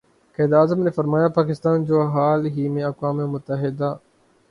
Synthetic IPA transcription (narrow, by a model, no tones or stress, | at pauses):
kɛːd̪ɾaːzəmnefɐɾmaːjapaːkɪst̪aːnd͡ʒoːɦaːlɦiːmẽɐkwaːmemʊt̪ːəɦɪd̪aː